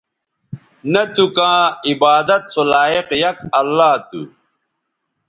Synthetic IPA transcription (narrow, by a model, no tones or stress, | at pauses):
nɐt̪ukãːibaːd̪ɐt̪solaːiqjɐk̚ɐlːaːt̪ṵ